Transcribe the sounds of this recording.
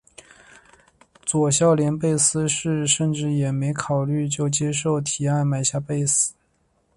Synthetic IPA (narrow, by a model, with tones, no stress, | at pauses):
t͡swɔ˨˩ɕjɑ˥˩ʊljɛ˧˥npe˥˧ɪsɹ̩˥ʂɻ̩˥˧ʂə˥˧nʈ͡ʂɻ̩˥˩jɛ˨˩me˧˥ɪkʰɑ˨˩ʊly˥˧t͡ɕjo˥˩ʊt͡ɕjɛ˥ʂo˥˩ʊt̪ʰi˨˩a˥˩nma˨˩ɪɕja˥˧pe˥˧ɪsɹ̩˨˩˦